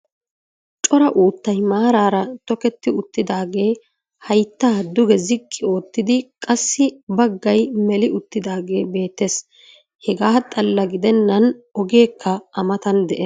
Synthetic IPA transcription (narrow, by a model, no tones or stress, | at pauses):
t͡ʃʼɔɾɐʔuːt̪ːɐjmaːɾaːɾɐt̪ɔkɛt̪ːɪʊt̪ːɪd̪aːɡe̞ː | hɐjt̪ːaːd̪ʊɡɛzɪkʼːɪo̞ːt̪ːɪd̪ɪkʼɐsːɪbɐɡːɐjmɛlɪʊt̪ːɪd̪aːɡe̞ːbe̞ːt̪ːes | hɛɡaːt̪ʼɐlːɐɡɪd̪ɛnːɐnɔɡe̞ːkʰːɐɐmɐt̪ɐnd̪ɛʔe